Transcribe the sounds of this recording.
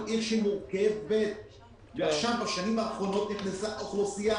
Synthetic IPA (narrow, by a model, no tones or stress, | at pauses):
eχʃemuʁkevet̪ | veaʃavbaʃanimaːχʁo̞no̞t̪̚niχnesaʔoχlusija